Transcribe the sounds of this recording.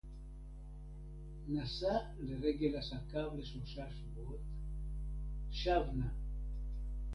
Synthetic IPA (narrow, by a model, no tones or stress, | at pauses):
nasa | leʁeɡe̞lasakavleʃlo̞ʃaʃavuot̪ | ʃavna